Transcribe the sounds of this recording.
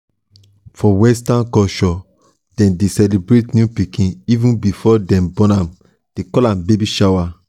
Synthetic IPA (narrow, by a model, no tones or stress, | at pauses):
fɔwɛs̬tãnkɔʃɔ | d̥ɛ̃mdesɛlebɾetnjupikĩnivũnbifɔdɛ̃mbɔ̃nãm | d̥ekɔlãmbebiʃawa